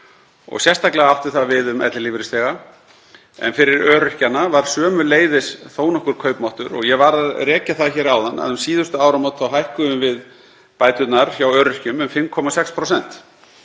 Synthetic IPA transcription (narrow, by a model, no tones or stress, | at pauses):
ɔ̰ɣsjɛst̪ʰaklɪɣaaft̪ʏ̥θaðvɪðʏmʔɛ̰t̪lɪlivɾɪst̪ɛːɣa | ɛ̰nfɪɾɪɾœːɾʏhcanːavaɾ̥sœːmʏleːjðɪsθoːwnɔhkʏɾ̥kʰœɥpmawht̪ʏɾɔ̰ɣjɛvaɾaðrɛːcaθaðçɛːɾawðanːa̰ðʏmsiːðʏst̪ʏaːwɾamawt̪θawɦajhkʏʏmvɪð | paːjt̪ʏt̪naɾ̥çjawœːɾʏhcʏmʏmfɪmkʰɔmasɛkspʰɾowsɛn̥t̪